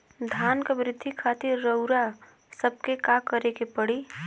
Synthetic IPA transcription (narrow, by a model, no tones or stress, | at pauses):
d̪ʱankebɾɪd̪ʱːikʰat̪ɪɾːəʊɾa | səb̚ʱkekakəɾekepəɽi